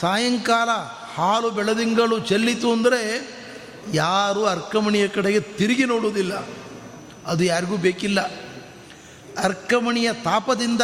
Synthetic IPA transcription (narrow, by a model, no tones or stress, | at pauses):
saːjɐŋkaːlɐ | haːlubɛɭɐd̪iŋɡɐɭut͡ʃelːit̪uɐnd̪ɐɾe̞ | jaːɾuɐɾkɐmɐɳijɐkɐɽɛɡe̞t̪iɾiɡinoːɽuːd̪ilːɐ | ɐd̪ujaːɾiɡuːbeːkilːɐ | ɐɾkɐmɐɳijɐt̪aːpɐd̪ind̪ɐ